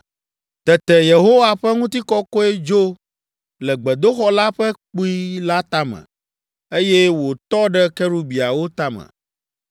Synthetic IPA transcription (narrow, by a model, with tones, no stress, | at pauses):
t̪ɛ˨t̪ɛ˨je˨ɦo˦wa˦ɸɛ˦ŋũ˦t̪i˦kɔ˦kɔ˦e˦d͡ʒo˦ | lɛ˨ɡ͡bɛ˨d̪o˦xɔ˦la˦ɸɛ˦k͡pu˦i˦la˦t̪a˦mɛ̰̃˨ | e˦jɛ˦wo˨t̪ɔ˦ɖɛ˦kɛ˦ɾu˦bi˨a˨wo˦t̪a˦mɛ̰̃˨